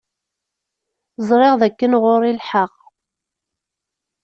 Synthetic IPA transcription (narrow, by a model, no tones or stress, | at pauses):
zˤɾˤɪʁðækːənʁʊɾilħaq